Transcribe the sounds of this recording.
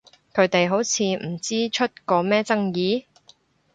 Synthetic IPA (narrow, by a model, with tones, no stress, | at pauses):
kʰɵ˨˥ɥt̪e˨jɦo˨˥wt͡sʰiː˨˧m̩˨˩t͡siː˥t͡ʃʰɵ˥t̚kɔː˧mɛː˥t͡sɐ˥ŋjiː˨˥